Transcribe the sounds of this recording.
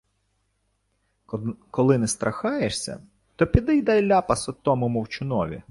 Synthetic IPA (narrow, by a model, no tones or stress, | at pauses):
kɔlˠɪnɛst̪ɾɐxɑjeʃsʲɐ̰ | t̪ɔpʲid̪ɛjd̪ɐjlʲɑpɐsɔt̪ɔmɔmɔwt͡ʃʊnɔʋʲḭ